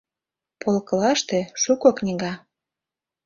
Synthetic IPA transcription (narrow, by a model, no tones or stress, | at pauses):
polkɤ̆lɑʃt̪eʃukoknʲiɣɑ